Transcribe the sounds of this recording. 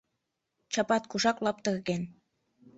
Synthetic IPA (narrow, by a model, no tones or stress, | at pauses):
t͡ɕɑpɑt̪kuʃɑklɑp̚t̪əɣɣen